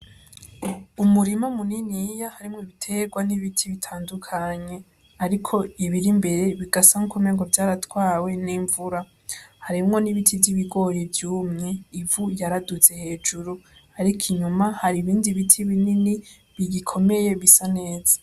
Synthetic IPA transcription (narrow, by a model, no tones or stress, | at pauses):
umuɾimamuninijahaɾimŋoβitʰe̞ɡwaniβitʰiβitʰaːndukʰaɲe̞ | aɾikʰo̞iβiɾimbe̞ɾe̞βiɡasaŋukʰumeːŋɡovjaːɾatwaːwe̞niːɱvuɾa | haɾimŋo̞niβitʰivjiβiɡo̞ɾivjuːmŋe̞ivujaɾadut͡se̞he̞ːd͡ʒuɾuaɾikʰiɲumahaɾiβiːndiβitʰiβinini | βiɡikʰo̞me̞je̞βisane̞ːz̥ḁ